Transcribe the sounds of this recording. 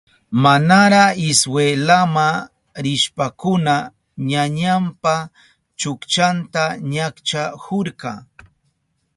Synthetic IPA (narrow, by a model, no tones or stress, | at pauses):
manaɾaɪswelama | ɾɪʃpakʊna | ɲaɲampa | t͡ʃʊkt͡ʃant̪aɲakt͡ʃahʊɾkɑ